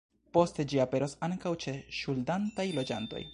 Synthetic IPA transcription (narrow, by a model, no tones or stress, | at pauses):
po̞ste̞d͡ʒiape̞ɾosaŋkawt͡ʃe̞ʃuldantajlo̞d͡ʒanto̞̰j